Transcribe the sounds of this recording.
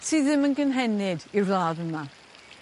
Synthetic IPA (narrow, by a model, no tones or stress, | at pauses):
tʰiðɪmənɡənɦɛnɪdirlˠadəma